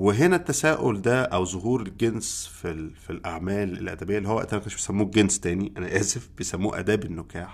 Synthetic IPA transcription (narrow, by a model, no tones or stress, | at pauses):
weɦenæt̪ːæsæːʔold̪æʔæwzoɦuːɾelɡensfilfilʔaʕmæːlḛlʔæ̰d̪æbejːælːiowæʔḛnt̪æmækæneʃbejsæmːuːɡenst̪æːniʔænæʔæːzefbejsæmːuːʔæ̰d̪æːbenːokæːħ